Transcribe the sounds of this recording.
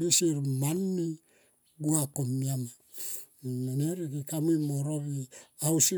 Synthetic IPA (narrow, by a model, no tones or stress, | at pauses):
bisiɾmanmi | ɡuakomːiama | maneɾikikamimoɾoβiausi